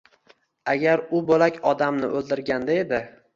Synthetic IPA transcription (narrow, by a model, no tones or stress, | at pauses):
aɡʲaɾʊbolakʲɒd̪amnɪ̰ʔɵlˠd̪ɪɾɡʲand̪ae̞d̪ɪ